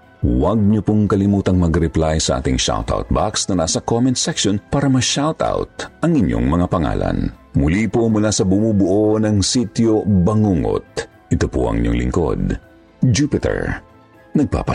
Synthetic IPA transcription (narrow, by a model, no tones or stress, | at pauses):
wɐɡ̚ɲopoŋkɐlɪmuːt̪ɐŋmɐɡɾɛplajsɐʔa̰ːt̪ɪŋʃa̰wt̪a̰wt̪̚ba̰ksnɐnasɐkomɛnsɛkʃonpaːɾɐmɐʃawt̪a̰wt̪̚ʔɐŋɪɲːo̞̰ŋmɐŋapɐŋa̰ːlɐ̰nmʊlipomʊlasɐbʊmubʊʔonɐŋsit̪jobɐŋuŋo̰t̪̚ | ʔɪt̪opoʔɐ̰ŋɲo̰ŋlɪ̰ŋko̞̰d̪ | d͡ʒupɪt̪ɛ̰ɹ | nɐɡ̚pa̰pɐ